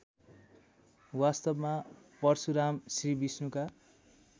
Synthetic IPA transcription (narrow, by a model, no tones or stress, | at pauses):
wast̪ʌbmapʌrsuɾamsribisnuka